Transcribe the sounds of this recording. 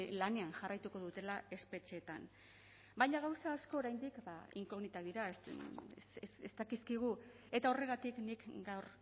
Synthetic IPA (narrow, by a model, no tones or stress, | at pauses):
lane̞anʝarajt̪uko̞ðut̪e̞lae̞spe̞t͡ʃe̞ːt̪a̰n | bajɲaɣ̞awsaːsko̞ːɾajnd̪ikbaḭŋko̞ɣnit̪aðiɾaes | sest̪akiskiɣ̞u | e̞t̪ao̞re̞ɣat̪iknikɡawɾ